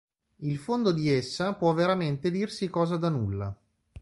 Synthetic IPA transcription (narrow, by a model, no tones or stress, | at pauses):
ilfond̪od̪iesːapwɔvːeɾament̪ed̪irsikɔːzad̪anulːa̰